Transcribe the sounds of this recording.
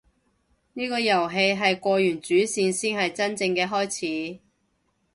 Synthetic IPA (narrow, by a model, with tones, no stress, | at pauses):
niː˥kɔː˧jɐ˨˩wɦe˧jɦɐ˨jkʷɔː˧jyː˨˩nt͡ʃyː˨˥siː˧nsiː˥nhɐ˨jt͡sɐ˥nt͡sɪ˧ŋkɛː˧ɦɔː˥jt͡sʰiː˨˥